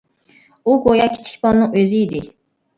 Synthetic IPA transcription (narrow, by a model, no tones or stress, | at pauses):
uɡojɑkʲʰi̥t͡ʃʰi̥kʲbɑnnɨŋøziid̪ɪ